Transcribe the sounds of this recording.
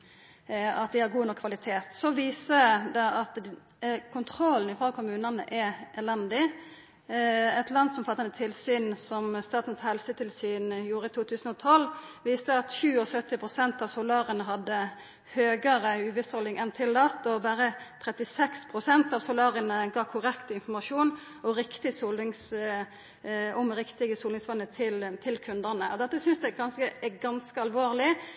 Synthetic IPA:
ɑt̪̚d̪ɪhɑɾɡuːnɔkʰːʋɑlɪt̪ʰeːt̪sɔʋiːsəd̪ɛʔɑt̪ | kʰʊnt̪ʰɾɔlːn̩ɪfʁoːkʰʊmʉːnɑnə̰ʔɛʔɛlɛnd̪ɪ | ɛt̪lɑnd̪sʊmfɑt̪ːɑnət̪ʰɪlsyːnsɔmst̪ɑːt̪n̩t̪hɛlsət̪ʰɪlsyːnjuːɾəɪt̪ʰuːt̪ʰʉːsn̩ɔt̪ʰɔlːʋiːst̪əɑt̪ɕʉːɔsœt̪ːɪpʰʁʊsɛnt̪ɑʋsʊlɑːɾənəɦɑd̪ːə | høːɡəʁəʉːʋɪst̪hɔlɪŋʔɛnt̪ʰɪlːɑt̪ɔbæːʁət̪ʰʁɛt̪ɪsɛkspʰʁʊsɛnt̪ɑːʋsʊlɑːʁənəɡɑːkʰʊʁɛkt̪əɪnfɔmɑʂuːn | ɔʁɪkt̪ɪsuːlɪŋs | ɔmʁɪkt̪ɪɡəsuːlnɪŋsʋɑnːət̪ʰɪlt̪ʰɪlkʰʉnd̪əʁnəʔɔd̪ɛt̪ːəsʏnsd̪ɛɡɑnskəɡɑnskəɑlʋoːʁlɪ

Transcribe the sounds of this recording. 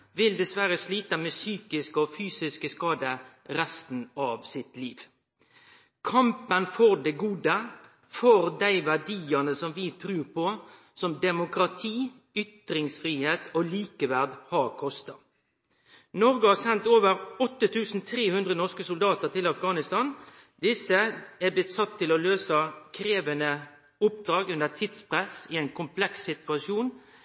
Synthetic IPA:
ʋɪld̪ɛsʋæɾəsliːt̪əmɛːsyːkɪskəɔfyːsɪskəskɑːd̪ə | ɾɛst̪n̩ɑːʋsɪt̪liːʋ | kʰɑmpənfɔʁd̪ɛɡuːd̪ə | fɔɾd̪æɪʋæʁɖiːənəsɔmʋɪt̪ʰɾʉːɾpʰɔ | sɔmd̪ɛmʊkɾɑt̪ʰiː | ʏt̪ɾɪŋsfɾiːheːt̪ɔliːkəʋæʁd̪hɑɾkʰɔst̪ɑ | nɔɾɡəhɑːsɛnt̪oːʋəɾɔt̪ːət̪ʰʉːsn̩t̪ʰɾeːhʉnd̪ʁənɔʁskəsʊld̪ɑːt̪əʁt̪ʰɪlɑfɡɑːnɪst̪ɑːn | d̪ɪsːəæblɪt̪sɑt̪ʰːɪlɔløːsɑkʰɾeːʋənə | ʊp̚d̪̥ɾɑːɡʉnd̪ət̪ʰɪt̪spʰʁɛsɪæɪnkʰʊmpʰlɛksːɪt̪ʉɑʃjuːn

